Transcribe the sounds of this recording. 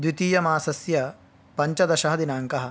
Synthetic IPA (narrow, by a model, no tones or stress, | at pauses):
d̪ʋit̪iːjɐmaːsɐsjɐ | pɐɲt͡ʃɐd̪ɐʃɐɦɐd̪inaːŋkɐɦɐ̆